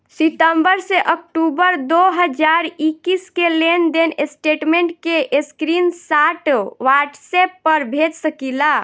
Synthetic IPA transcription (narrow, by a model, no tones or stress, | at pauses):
siʈ̪əmbəɾseʔəkʈubəɾd̪oɦəd͡ʒaɾikiskelend̪enesʈeʈmeɳʈkeʔeskɾinsaʈʋaʈsepːəɾbʱed͡ʒsəkila